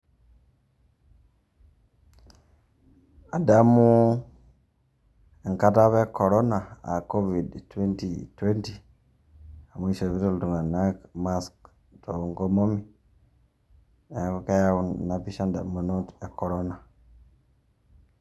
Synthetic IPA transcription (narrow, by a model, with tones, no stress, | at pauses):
a˨da˦mu˦ | e˨ŋka˦ta˦βe˦ko˨ɾo˦na˨a̰˨ko˦vi˨dtwe˦ntitwe˦nti | a˨mu˦i˦ʃe˨βi˦to˦ltu˨ŋɡa˨na˦ma˦sk | to˨ŋko˦mo˦mi˨ | e˨˦ka˦ja˦na˨pi˦ʃa˦nda̰˨mu˨no˦te˨ko˨ɾona˨